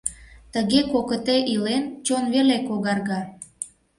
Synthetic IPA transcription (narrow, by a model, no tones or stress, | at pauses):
t̪əɣekokət̪eʔilent͡ɕonβelekoɣɑrɣɑ